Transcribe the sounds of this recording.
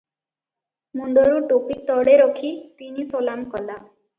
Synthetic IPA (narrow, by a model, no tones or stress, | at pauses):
munɖ̪ɔɾuʈopit̪ɔɽeɾɔkʰit̪inisɔlamkɔla